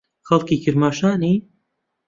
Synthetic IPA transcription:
xɐlˠkiːkʰɪɾmaːʃaːniː

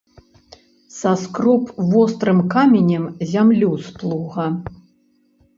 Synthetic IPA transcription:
sɐskɾɔpvɔst̪ɾɨmkamʲenʲɛmzʲamlʲuwsplˠuɣɐ

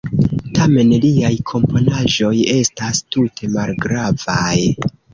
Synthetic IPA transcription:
tʰame̞nliajkʰo̞mpo̞naʒo̞je̞stastutʰe̞malɡɾavaj

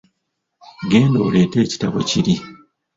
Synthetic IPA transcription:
ɡe̞ːndoːle̞ːte̞ːci̥taβo̞̰ciɾi

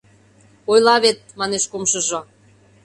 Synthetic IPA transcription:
ojlɑβet̪̚mɑneʃkomʃəʒo

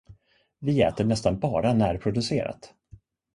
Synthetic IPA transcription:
vɪɛːt̪əɳɛst̪anbɑːɾanæːɾpʰɾʊd̪ɵseːɾa̰t̪

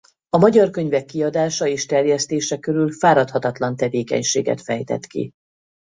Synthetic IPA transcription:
ɒmɒɟɒrkø̞ɲvɛkːiɒd̪aːʃɒeːʃt̪ɛrjɛst̪eːʃɛkøɾylfaːɾɒt̪hɒt̪ɒt̪lɒnt̪ɛveːkɛ̰ɲʃḛːɡɛ̰t̪fɛjt̪ɛ̰t̪kḭ

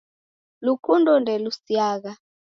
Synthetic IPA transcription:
lukʰundɔndʱɛlusiaːk̬a

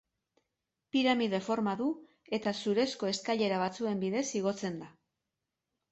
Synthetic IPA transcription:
piɾamiðefo̞ɾmaðu | e̞t̪asuɾe̞sko̞e̞skaʎe̞ɾaβ̞at͡sue̞mbiðe̞siɣ̞o̞t͡se̞nd̪a

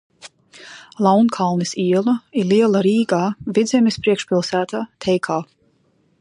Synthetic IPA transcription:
lˠawnkʰalˠnɨsiɛlˠɐiɾliɛlˠaɾiːɡaːvid̪zʲɛmʲispɾiɛkʃpʲilˠsæːt̪aːt̪ʰɛjkʰaː

